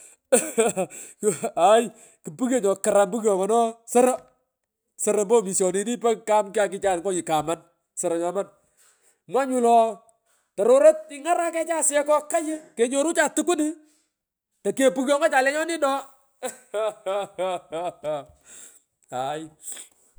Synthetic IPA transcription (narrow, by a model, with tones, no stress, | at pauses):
a˨j | ki˨pu˦ke˦˨ɲɔ˨kɪ˨ɾa˨mbu˦kjɔ˨kɔ˨nɔ˦sɐ˦ɾa˦ | sɐ˦ɾɐ˨mbo˦mi˨sɔ˨ni˦ni˦pɛ˦ka˦mka˨kɪ˦t͡ʃa˦nkɔ˦ɲɪ˨ka˨ma˨n | sɐ˨ɾɔ˨ɲɔ˨ma˦n | mwa˦ɲu˦lɔ˨ | tɔ˨ɾo˦ɾɐ˦t̚ɪ˦ŋa˦ɾa˦kɛ˦t͡ʃa˦sɛ˦kɔ˦ka˦jɪ˦ke˨ɲo˦ɾu˦t͡ʃa˨tu˦ku˦ni˦ | tɐ˨ke˦pu˦kjɔ˦ŋɔ˦t͡ʃa˨lɛ˦ɲɔ˦nɪ˦nɔ˦ | a˨j